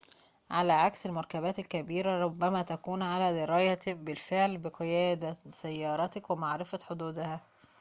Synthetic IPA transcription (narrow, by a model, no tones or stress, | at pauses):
ʕalæːʕakselmɑɾˤkæbæːt̪elkæbiːɾæɾˤobːæmæːt̪ækuːnʕalæːd̪ɪɾɑːjɑbɪlfeʕlbɪqejæːd̪æsæjːɑːɾˤɑt̪ækwemaʕɾɪfæħod̪uːd̪hæ